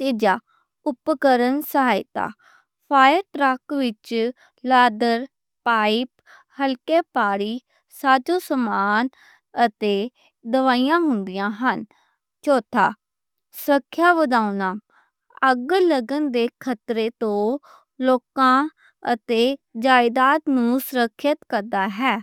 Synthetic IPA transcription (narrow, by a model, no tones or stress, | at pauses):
t̪eːd͡ʒaː | ʊpkəɾənsəɦaːɪt̪a̰ː | pʰaːjəɾʈɾəkʋɪt͡ʃ | laːd̪əɾ | paːip | həlkeːpaːɽiː | saːd͡ʒõːsəmaːn | ət̪eː | d̪əʋaːijãːɦʊnd̪ɪjãːɦən | t͡ʃoːt̪ʰaː | səkʰːjaːʋəd̪aːunaː | əɡləɡənd̪eːkʰət̪ɾeːt̪õː | loːkãː | ət̪eːd͡ʒaːɪd̪aːt̪nũːsəɾəkʰjət̪kəɾd̪aːɦɛː